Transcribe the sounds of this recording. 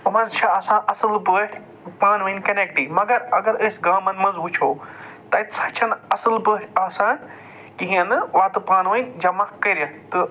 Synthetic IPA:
ɐmɐ̃nt͡ʃʰaɐsãːʔɐsɨlbɨ | paːnʋɐnkɐnekʈiːmɐɡɐɾɐɡɐɾɐsɡaːmɐnmɐ̃nzut͡ʃʰoː | t̪ɐɪt̪ʰsɐt͡ʃʰɐnɐsɨlbɨaːsãːn | kiɦijɐ̃nʋaːt̪ɨpaːnʋɐind͡ʒɐmɐkːɐɾjɐt̪ɨ

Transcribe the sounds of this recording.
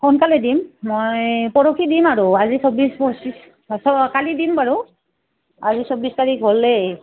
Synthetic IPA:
kʰɔnkalɛdimmojpɔɹɔkʰidimaɹuazisɔbisbɔsis | sɔkalidimbaɹu | azisobistaɹikɦolːɛ

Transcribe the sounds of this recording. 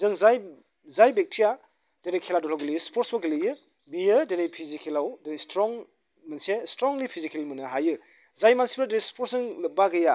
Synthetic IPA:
zɯŋzaj | zajbek̚tʰija | deɾejkʰːeladɔlʰawɡɯlijɯspʰɔɾtsbɐɡɯlɯjɯ | bijɯdeɾejpʰizikʰelawdenestɾɔŋ | mansestɾɔŋlipʰizikʰelmɯnɯɦajɯ | zajmansibɾdeɾespʰoɾsɯŋlɯbaɡɯja

